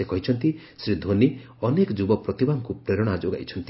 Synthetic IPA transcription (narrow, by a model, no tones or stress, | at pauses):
ekɔɦit͡ʃʰɔnt̪isɾid̪ʱoni | ɔnekɔd͡ʒubɔpɾɔt̪ibaŋkupɾeɾɔɽ̃ad͡ʒoɡa̰jt͡ʃʰɔnt̪i